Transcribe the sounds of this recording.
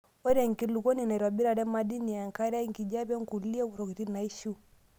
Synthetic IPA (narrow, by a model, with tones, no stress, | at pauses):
ɔ˦ɾɛ˨ŋ̩˨ki˨lu˨kɔ˦ni˨na˨ɾwa˨bi˦ɾa˨ɾɛ˦ma˦di˦ni˨a˨ŋ˨ka˦ɾa˦ŋ˨ki˨d͡ʒa˦βɛ˦ŋ̩˨ku˨li˦ɛ˦u˨ɾɔ˨ki˨ti˦na˨i˦ʃu˦